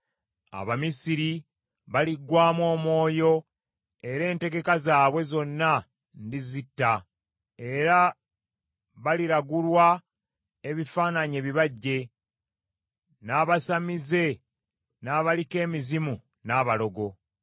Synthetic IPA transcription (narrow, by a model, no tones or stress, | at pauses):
a̰βamisiɾi | βaliɡwaːmwo̞ːmo̞ːjo̞ | e̞ɾe̞ːnte̞ɡe̞kazaːβwe̞zo̞nːa | ndizitːa | e̞ɾa | βaliɾaɡulwa | e̞βifaːnaɲe̞ːβiβaɟːe̞ | naːβasamize̞ | naːβalike̞ːmizimu | naːβalo̞ɡo̞